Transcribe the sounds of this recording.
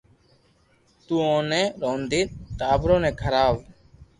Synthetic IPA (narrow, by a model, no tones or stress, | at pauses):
t̪uːõːneːɾoːnd̪ʱiːt̪t̪aːəbɾõːneːkʰəɾaːʋ